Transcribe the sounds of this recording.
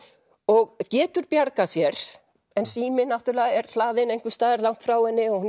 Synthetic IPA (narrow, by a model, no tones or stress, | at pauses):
ɔɣcɛːt̪ʏɾpjaɾkasjɛɾ̥ | ɛnsiːmɪnaft̪ʏɾlɛːɣaɛɾ̥θlaːðɪnejŋkvɪst̪aːðɪɾlawn̥t̪fɾaːwɛnːɪɔɣhu